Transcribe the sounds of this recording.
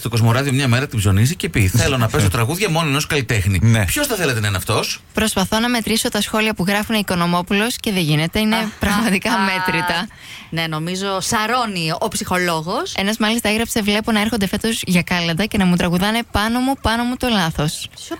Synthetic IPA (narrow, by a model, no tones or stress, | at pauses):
st̪o̞ko̞zmo̞ɾɐðiomɲɐme̞ɾɐt̪ibzo̞nisice̞piθe̞lo̞nɐpe̞st̪ot̪ɾɐɣuðʝɐmo̞noeno̞skɐlit̪e̞xninpço̞sθɐθe̞let̪enɐenɐft̪o̞spɾo̞spɐθo̞nɐme̞t̪ɾiso̞t̪ɐsxo̞liɐpuɣɾɐfuneiko̞no̞mo̞pulo̞sce̞ðe̞ʝine̞t̪e̞ine̞pɾɐɣmɐt̪ikɐme̞t̪ɾit̪ɐ | ne̞no̞mizo̞sɐɾo̞niopsixo̞lo̞ɣose̞nɐzmɐlist̪ɐeɣɾɐpse̞vle̞po̞nɐe̞ɾxo̞nd̪efe̞t̪o̞zʝɐkɐlɐnd̪ɐce̞nɐmut̪ɾɐɣuðɐne̞pɐno̞mupɐno̞mut̪o̞lɐθo̞s